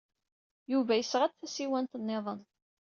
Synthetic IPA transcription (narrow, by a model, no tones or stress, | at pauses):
juvæjəsʁæt͡sθæsiwænt̪ənːeðˤən